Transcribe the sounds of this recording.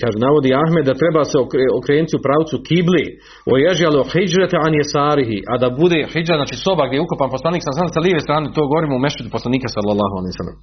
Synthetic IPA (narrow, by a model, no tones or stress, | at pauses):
kaːʒenaʋo̞d̪iːaɦmed̪ːat̪ɾebaːseokɾeokɾeːnit̪iupɾaːwt̪sukʰibleː | ojeʒjaloħid͡ʒɾat̪ʕanjesaːɾiɦiʔad̪abud̪eːħid͡ʒɾaznaːt͡ʃiːso̞baɡd̪jejukopanposlˠaniːksalːsalːesaliːʋesɾaːnet̪oːɡoʋoɾimoumeʃut̪uposlˠaniːkasalːalːaːɦoaleijsa̰lːḛm